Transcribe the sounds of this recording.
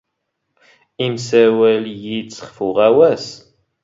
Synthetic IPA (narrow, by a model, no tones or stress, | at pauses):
imsæwæljit͡sːə̥χfuʁæwæs